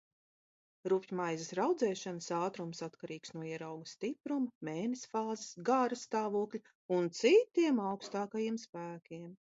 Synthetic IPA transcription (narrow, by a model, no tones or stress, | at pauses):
ɾupʲjumajzesɾawd̪zɛːʃanəsaːt̪ɾumsat̪kaɾiːksnuɔiɛɾawɡɐst̪ipɾumɐmeːnesfaːzesɡaɾɐst̪aːvuɔklʲi | unt̪sit̪iɛmawkst̪aːkajiɛmspæːkʲiɛm